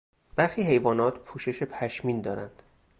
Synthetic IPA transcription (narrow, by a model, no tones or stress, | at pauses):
b̥æɾxiːhe̞jvɒːnɒːt̪ʰpʰuːʃe̞ʃe̞pʰæʃmiːnd̪ɒːɾænd̪̥